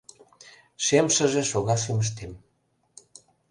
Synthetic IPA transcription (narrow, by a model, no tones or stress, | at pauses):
ʃemʃə̆ʒĕʃoɣɑʃ̬yməʃ̬t̪em